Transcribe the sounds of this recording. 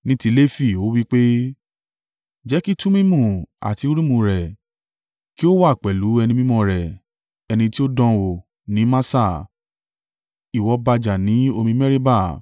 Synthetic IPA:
nĩ˦ti˧˦le˦fi˦˨o˨˦wi˦k͡pe˦ | d͡ʒɛ˨˦ki˦tũ˦mĩ˦mũ˦˨a̰˨ti˧o˦ɾĩ˦mũ˧ɾɛ˨ | ki˦o˦wa˦˨k͡pɛ˨lu˨˦ɛ˧nĩ˧mĩ˦mɔ̃˧ɾɛ˨ | ɛ˧nĩ˧ti˦o˦dɔ̃˧wo˨ | nĩ˨˦mã˦sa˦˨ | i˨wɔ˧ba˧d͡ʒa˨nĩ˨˦o˧mĩ˧mɛ˦ɾi˦ba˦˨

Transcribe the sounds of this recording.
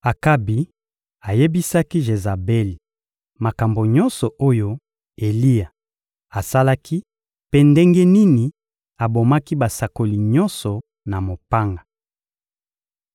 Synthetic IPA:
a˨ka˦bi˨ | a˨je˦bi˦sa˦ki˦ʒe˨za˨be˦li˨ | ma˨ka˨mbo˨ɲɔ˦nsɔ˨ʔo˦jo˦ | e˨li˦a˨ | a˨sa˦la˦kʰi˦ | pe˦nde˦ŋɡe˦ni˦ni˨ | a˨bo˨ma˦ki˦ba˨sa˨ko˨li˨ɲɔ̃˦nsɔ˨ | na˨mo˨pa˦ŋɡḁ˨

